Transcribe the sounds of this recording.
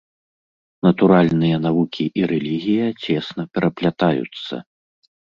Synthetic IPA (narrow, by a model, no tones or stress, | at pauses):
nɐt̪uɾalʲnɨjɐnavukʲiʔiɾɛlʲiɣʲijɐt͡sʲɛsnɐpʲɛɾʔɐplʲat̪ajṵt̪sːɐ̰